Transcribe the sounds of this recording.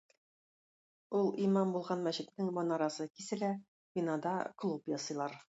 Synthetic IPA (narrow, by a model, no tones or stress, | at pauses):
ulˠimɑmbulˠʁɑnmæɕɘ̆t̪nɘŋmɒnɑɾɑsɤkisɘ̆læ | pinɑd̪ɑklˠupjɒsɤ̆jlˠɑɾ